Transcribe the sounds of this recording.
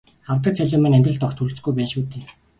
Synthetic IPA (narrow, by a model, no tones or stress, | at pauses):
awt̪ə̆k̚t͡sʰæɮʲʊːmæ̆næmʲt̪ʲrə̆ɮt̪ɔxt̪ʰuɾ̆ɮt͡sɡujpæːnʃuːt̪eː